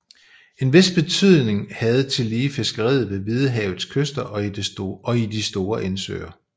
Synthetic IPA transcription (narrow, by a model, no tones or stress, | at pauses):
e̝nʋe̝sb̥e̝t͡sʰyð̞̰ˠne̝ŋhæð̞̩ˠt͡sʰe̝liːfe̝sɡ̥ɐʁḭð̞̩ˠʋe̝ʋið̞ˠəɦɛːʊð̩ˠskʰøsd̥ɐʔɒ̽id̥eɒ̽id̥isd̥o̝ːɐʔensø̰ɪ̰ɐ